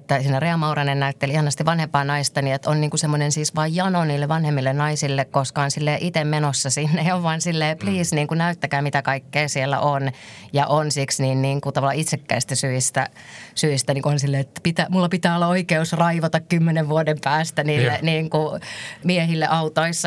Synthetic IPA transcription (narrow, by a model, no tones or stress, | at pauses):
t̪ːæsinæreɑmɑurɑnennæyt̪ːelihɑnɑst̪iʋʋɑnhempɑːnɑist̪ɑniet̪onniːŋkusemːonensiːsʋɑːjjɑnoniːlːeʋʋɑnhemːilːennɑisilːekkoskɑonsilːeːʔit̪emmenosːɑsinːeoʋʋɑːnsilːeːpliːsniːŋkunæyt̪ːækæːmit̪ækɑikːeːsielːæ̰ʔonjɑʔonsiksniːnniːŋkut̪ɑʋɑlːɑit̪sekːæist̪æsyist̪æsyist̪æniːŋkuonsilːeːet̪ːpit̪æmulːɑpit̪æːolːɑoikeusrɑiʋɑt̪ɑkkymːeneʋʋuodempæːst̪æniːlːeniːŋkumiehilːeʔɑut̪oisːɑ